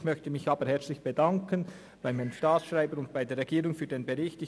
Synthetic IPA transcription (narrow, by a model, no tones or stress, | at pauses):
çmœçtəmɪçɑːbəɾhɛɐt͡slɪçb̥edɑŋkən | b̥aɪmaɪnəmʃtaːt͡ssʃʁaɪbəɾʊnt̚b̥aɪdeːɾʁɛɡ̥iːɾʊŋfyːdeːnbeʁɪçtɪ